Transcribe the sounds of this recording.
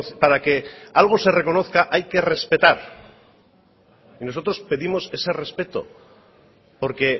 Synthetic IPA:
paɾake̞alɣ̞o̞sere̞ko̞no̞θkaʔajke̞re̞spe̞t̪aɾ | ino̞so̞t̪ɾo̞spe̞ðimo̞se̞se̞re̞spe̞t̪o̞̰ | po̞ɾke̞

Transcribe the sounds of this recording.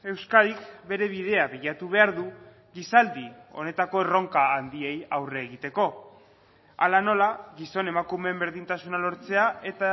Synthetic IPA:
e̞wskaɾikbe̞ɾe̞β̞iðe̞aβiʎat̪uβ̞e̞aɾðu | ɣisald̪io̞̰ne̞t̪ako̞ero̞ŋkaːnd̪ie̞jawre̞ːɣit̪e̞ko̞ | a̰lano̞laɣiso̞ne̞makume̞mbe̞ɾðint̪asunalo̞ɾt͡se̞ae̞t̪a

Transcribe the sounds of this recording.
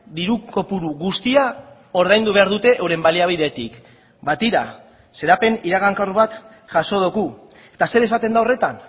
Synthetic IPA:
d̪iɾuko̞puɾuɣust̪ia | o̞ɾðajnd̪uβe̞aɾðut̪e̞ʔewɾe̞mbaliaβ̞iðe̞t̪ik | bat̪iɾa | se̞ɾape̞niɾaɣaŋkarβat̪ | ʝaso̞ð̞oɣu | e̞̥t̪ase̞ɾe̞sat̪e̞nd̪aore̞t̪an

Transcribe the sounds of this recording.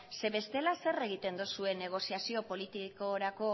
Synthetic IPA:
se̞βe̞st̪e̞lase̞re̞ɣ̞it̪e̞nd̪usue̞ne̞ɣ̞o̞siasio̞po̞lit̪ikoɾako̞

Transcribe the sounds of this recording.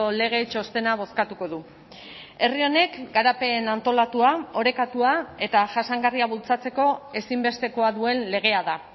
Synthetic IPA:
ole̞ɣ̞e̞t͡ʃo̞st̪e̞naβ̞o̞skat̪uko̞ðu | e̞rio̞ne̞kɡaɾape̞nant̪o̞lat̪uao̞ɾe̞kat̪uae̞t̪aʝasaŋɡariaβ̞ult͡sat͡se̞ko̞e̞simbe̞st̪e̞ko̞aðue̞nle̞ɣ̞e̞aða

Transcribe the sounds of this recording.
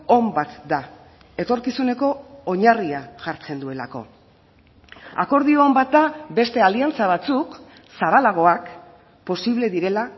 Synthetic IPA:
o̞mbat̪d̪a | e̞t̪o̞ɾkisune̞ko̞ːɲariaʝaɾt͡se̞nd̪ue̞la̰ko̞̰ | a̰ko̞ɾðio̞ːmbat̪̚d̪abe̞st̪e̞aliant͡saβ̞at͡suk | saβalaɣ̞o̞ak | po̞siβle̞ðiɾe̞la

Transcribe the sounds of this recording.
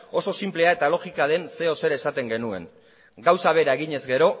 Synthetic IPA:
o̞so̞simple̞ae̞t̪alo̞xikaðe̞nse̞o̞se̞ɾesat̪e̞ŋɡe̞nue̞̰n | ɡawsaβ̞e̞ɾae̞ɣ̞iɲe̞zɡe̞ɾo̞

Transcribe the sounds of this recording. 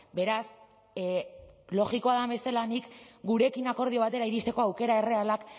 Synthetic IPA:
be̞ɾas | lo̞ɣiko̞aðaβe̞selanikɡuɾe̞kinako̞ɾð̞io̞β̞at̪e̞ɾaiɾist̪e̞ko̞awke̞ɾae̞re̞alak

